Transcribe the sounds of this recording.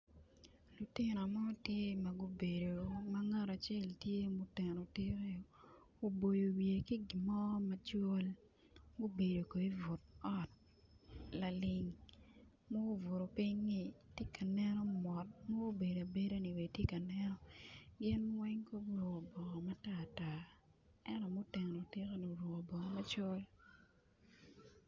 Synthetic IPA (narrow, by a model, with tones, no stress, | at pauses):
lu˨tɪ˦nɔ˨a˨mɛ˦ɔ˦tje˦ma˨ɡo˦be˨do˨ma˦ŋa˦ɾa˨t͡ʃe˦˨ltje˦mo˦te˨no˨tɪ˦ɾe˦o˨ | o˨bo˨jo˨wje˨ki˦ɡi˨mɔ˦mɐ˦t͡ʃwo˦l | ɡo˦be˨do˨ko˨i˦vu˨t̚ɔ˦˨t̚ | la˨li˨ŋ | mɔ˦o˦vʊ˨ɾo˨pi˦ŋːi˦˨tje˦ka˨nɛ˦nɔ˦mɔ˨t̚mo˦o˦be˨do˨a˨be˦ɾo˦ni˨we˨tje˦ka˨nɛ˦nɔ˦ɡɪ˦nwɛ˦ŋko˦bɾɔ˨ɔ˨bɔ˨kɔ˨ma˦ta˦˨ta˨ | ɛ˦ntɔ˨mo˦te˨ŋo˨no˨ti˦ke˦no˨ɾɔ˨bɔ˨kɔ˨mɐ˦t͡ʃo˦l